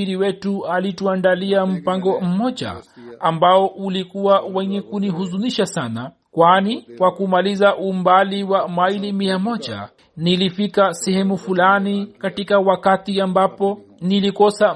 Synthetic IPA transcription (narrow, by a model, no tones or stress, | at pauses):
iɾiwɛtualituandaliam̩paŋɡɔm̩mɔʄa̰ambaɔʔulikuwawɛɲɛkuniɦuzuniʃasana | kwaniwakumalizaʔumbaliwamailimiamɔd͡ʒa̰ | nilifikasɛhɛmufulanikatikawakatiambapɔ | nilikɔsa